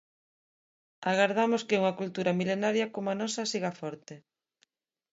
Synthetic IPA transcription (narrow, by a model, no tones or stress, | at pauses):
aɣaɾð̞amoskeuŋɐkult̪uɾamilenaɾjakomoanɔsɐsiɣafɔɾt̪e